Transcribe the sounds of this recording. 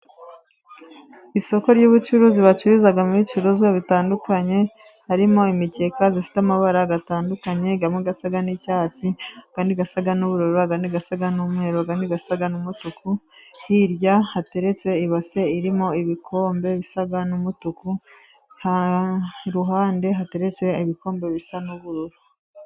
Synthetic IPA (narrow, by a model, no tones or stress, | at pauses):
iso̞ko̞ɾɟuβut͡ʃuɾuziβat͡ʃuɾizaɡamuβit͡ʃuɾuzɡaβitaːndukaɲe̞ | haɾimo̞imice̞kazifi̥tamaβaɾaɡataːndukaɲe̞ɡamŋeɡasaɡanicaːt͡siaɡ̥aːndiɡasaɡanuβuɾoɾuβaɡandiɡasaɡanumhe̞ɾoɡandiɡasaɡanumutukuhiɾjahate̞ɾe̞t͡se̞iβase̞iɾimo̞iβikʰo̞ːmbe̞βisaɡanumutuku | ha | ɾuɦaːnde̞ɦate̞ɾe̞t͡se̞iβiko̞ːmbe̞βisanuβuɾuɾu